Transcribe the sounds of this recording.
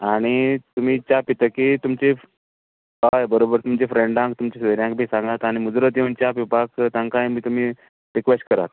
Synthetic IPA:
aɽ̃it̪um̤iːt͡ɕapit̪əkiːt̪umt͡ɕe | ɦajbəɾobəɾt̪umt͡ɕefɾeɳɖãŋk̚t̪umt͡ɕẽsʋeɾjãŋk̚bʱiːsãŋɡat̪aɽ̃imud͡zɾət̪eunt͡ɕapipakt̪ãŋkãjmit̪um̤iː | ɾikʋesʈ̚kəɾa̰t̪

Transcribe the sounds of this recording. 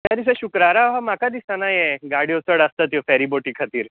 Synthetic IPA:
t̪aɾisəɕukɾaɾaɦamakad̪isanajeɡaɽiot͡səɽəst̪ət̪jofɛɾiboʈiːkʰat̪iːɾ

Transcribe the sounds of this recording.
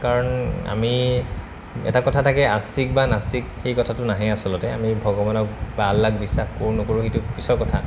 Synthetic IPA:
kaɹɔna̰mi | ɛ̰takɔtʰatʰakɛastʰik̚banastikxejkɔtʰatʊnaɦɛ̃asɔlɔtɛa̰mibʱɔɡɔbanɔk̚balːakbisːaxkoɹnokoɹuxetʊpɹisɔɹkɔtʰa

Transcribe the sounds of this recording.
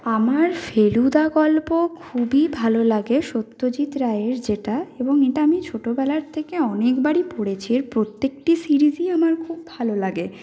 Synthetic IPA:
amaɾfelud̪aɡɔlpokʰubibʱalolaɡeʃot̪ːod͡ʑit̪ɾaeɾd͡ʑeʈaeboŋeʈaamit͡ɕʰoʈobɛlaɾt̪ʰekeɔnekbaɽipoɽet͡ɕʰiɾpɾot̪ːek̚ʈisiɾiziamaɾkʰubːʱalolaɡe

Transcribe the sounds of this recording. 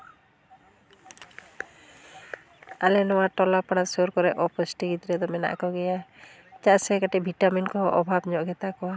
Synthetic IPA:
alɛnɔwaʈɔlapaɽasoɾkɔɾɛʔɔpɔsʈiɡit̪iɾɛd̪ɔmɛna̰ʔkɔɡɛja | t͡ʃaʔsɛkaʈɛbʱiʈaminkɔɦɔʔɔbʱabɲɔʔɡɛt̪akɔwa

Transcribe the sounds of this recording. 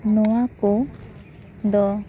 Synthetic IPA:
nuwaku | d̪ɔ

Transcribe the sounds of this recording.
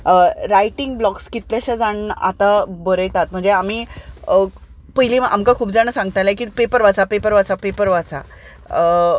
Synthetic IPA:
əɾajʈiŋɡblɔkskit̪ljaɕad͡zaɳa̰t̪abəɾəjt̪at̪m̤əɳd͡zeam̤iːə | pəɦiliːa̰mkakʰuːpd͡zañəsãŋɡt̪ajlakiːpepəɾʋat͡sapepəɾʋat͡sapepəɾʋat͡sa̰ | ə

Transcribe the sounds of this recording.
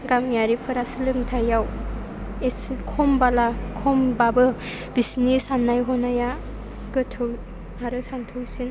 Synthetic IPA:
ɡamjaɾipʰɯɾasɯlɯŋtʰajaw | eskʰɔmbalakʰɔmbabɯ | bisinisanːajɦɔnaja | ɡɯtʰɯw | aɾɯsantʰɯwsin

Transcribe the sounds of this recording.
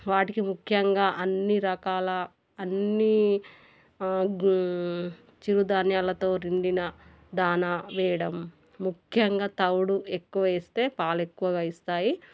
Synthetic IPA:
ʋaːʈikimukʰjɐŋɡaːʔɐnːiɾɐkaːlɐː | nːi | t͡ʃiɾud̪aːnjaːlɐt̪o̞ːɾiɳɖinɐ | d̪aːnaʋɛːjɐɽɐmː | ukʰjɐŋɡaːt̪ɐwɽue̞kːuʋɐeːst̪e̞ːpaːle̞kːuʋɐɡaːist̪aːji

